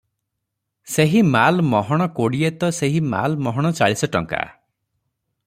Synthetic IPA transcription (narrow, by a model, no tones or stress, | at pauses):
seɦimalmɔɦɔɽ̃ɔkoɽiet̪ɔseɦima̰lmɔɦɔɽ̃ɔt͡ʃaɭisɔʈɔ̰ŋka̰